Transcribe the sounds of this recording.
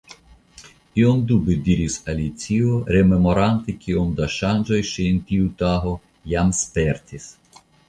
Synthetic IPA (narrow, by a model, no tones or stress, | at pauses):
tiomd̪ubed̪iɾisalit͡sioɾememo̞ɾant̪ikʰiomd̪aʃand͡ʒo̞jʃient̪iut̪aɦo̞ | jamspeɾt̪ʰis